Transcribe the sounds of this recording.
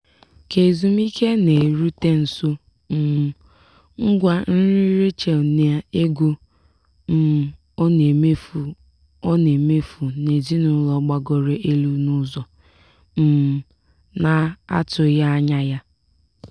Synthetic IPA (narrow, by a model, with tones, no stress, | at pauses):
ke˨zu˨m̩˦i˦ke˦ne˨ɾu˦te˦n̩˨so˦ | m̩˨ | ŋ̩˦ɡʷa˦n̩˦ɾi˦ɾe˦t͡ʃe˨n˦a˦e˦ɡu˦ | m̩˦˨ | ɔ˦ne˨me˦fu˨ | ɔ˦ne˨me˦fu˨ne˨zi˦nʊ˨˦lɔ˨˦ɡ͡ba˨ɡɔ˨ɾe˨ʔe˦lu˦nu˦zɔ˨ | m̩˨ | na˨a̰˦tʊ˨ja˦a˦ɲa˦ja˦